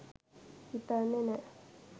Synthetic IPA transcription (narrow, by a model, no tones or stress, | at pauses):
it̪anene